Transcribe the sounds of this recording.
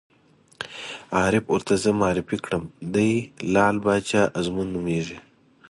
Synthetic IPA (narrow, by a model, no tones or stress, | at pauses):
ɑːɾɪpʊɾt̪azəmaːɾɪfikɽəmd̪ajlɑːlbɑːt͡ʃaːʔazmunːumeːʐi